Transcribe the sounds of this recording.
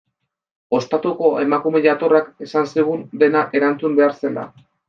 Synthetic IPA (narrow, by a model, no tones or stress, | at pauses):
o̞st̪at̪uko̞e̞makume̞ʎat̪o̞rakesansiɣ̞und̪e̞naʔe̞ɾant͡sumbe̞aɾse̞la̰